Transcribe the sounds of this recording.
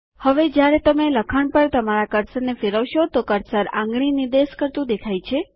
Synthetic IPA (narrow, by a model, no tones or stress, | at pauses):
həʋed͡ʒjaɾet̪əmeləkʰəɳpəɳt̪əmaɾakəɾsənefeɾəʋʃot̪okəɾsəɾã̰ŋɡɳinid̪eskəɾt̪ũd̪ekʰajt͡ʃʰe